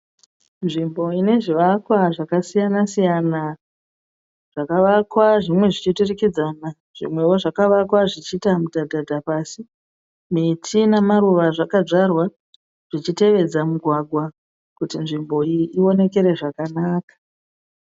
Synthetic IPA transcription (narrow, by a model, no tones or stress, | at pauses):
nʐimbo̞ine̞ʐiʋakwaʐakasijanasijana | ʐ̥akaʋakwaʐimwe̞ʐit͡ʃiturikid͡zana | ʐ̥ḭmwe̞wo̞ʐakaʋakwaʐit͡ʃitamudadʱadʱapaːsi | mitʰinamaɾuʋaʐakad͡ʐarwa | ʐ̥it͡ʃite̞ʋe̞d͡zamuɡʱwaɡʱwa | kutinʐimbo̞iio̞ne̞ke̞ɾe̞ʐakanaːkḁ